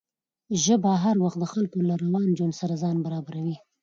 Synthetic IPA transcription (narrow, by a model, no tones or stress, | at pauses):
ʒəbaɦaɾwaxt̪d̪əxalkolaɾawɑnd͡ʒwansaɾazɑnbaɾɑbaɾawi